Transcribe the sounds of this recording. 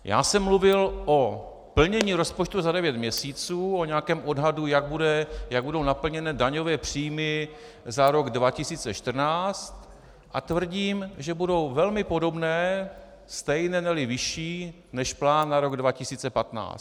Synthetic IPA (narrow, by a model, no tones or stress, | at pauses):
ja̰ːsɛmːluvɪlʔo̞ | pl̩ɲɛɲiːɾo̞spot͡ʃt̪uzadɛvjɛt̪mɲɛsiːt͡suːo̞ɲɛakɛːmʔo̞dɦadujaɡ̚budɛjaɡ̚budo̞wnapl̩ɲɛnɛːdaɲo̞vɛːpr̝̥iːjmɪ | zaɾo̞ɡdvacɪsiːt͡sɛʃt̪r̩naːt͡st̪ | ʔat̪vr̩ɟiːmʒɛbudo̞wvɛlmɪpo̞do̞bnɛː | st̪ɛjnɛnɛlɪvɪʃiː | nɛʃplaːnːaɾo̞ɡdvacɪsiːt͡sɛpat̪na̰ːs